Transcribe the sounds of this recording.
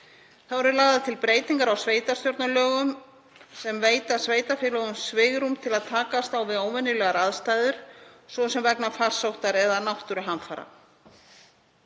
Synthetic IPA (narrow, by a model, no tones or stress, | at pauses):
θaðvɔɾʏɾlaːɣðaðt̪ʰɪlpɾeːjt̪iŋkaɾawsveːjt̪ḁst̪jowɾt̪nalœːɣʏm | sɛmveːjt̪asveːjt̪afɪːlɔɣʏmsvɪːɣɾumt̪ʰɪlaðt̪ʰaːkast̪awvɪðoːwvɛnːʏlɛːɣaɾaðst̪aːjðʏɾ̥sɔsɛmvɛknafar̥sowht̪aɾɛðanawht̪ʏɾʏɦanfaːɾa̰